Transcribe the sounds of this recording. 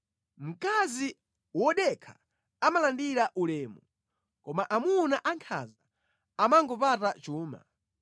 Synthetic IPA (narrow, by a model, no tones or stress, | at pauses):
m̩kazi | wɔɗɛkʰḁ | amalandiɾaʔulɛːmu | kɔmaʔamunaʔaŋkʰa̰za | amaŋɡɔpatat͡ʃuːma̰